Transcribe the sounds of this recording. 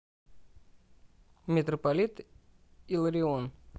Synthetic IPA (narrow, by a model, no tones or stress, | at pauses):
mʲɪt̪ɾəpalʲit̪ | ilˠɾʲɪon